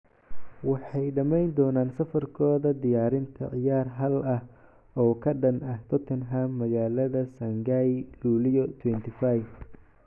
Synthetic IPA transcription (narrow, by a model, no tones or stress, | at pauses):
wɑħɑjɖɐmɛjnd̪ɔːnaːnsɐfɐrkʰɔːðɐd̪ɪjaːɾɪnt̪ʰɐ̰ʕɪjaːrɦɐlɐh | ɔːkʰɐɖɐnɐht̪ʰɔt̪ʰɛnɦamːɐɣaːlɐðɐsɐŋɡajluːlɪjɔt̪ʰwɛnt̪ʰɪfajf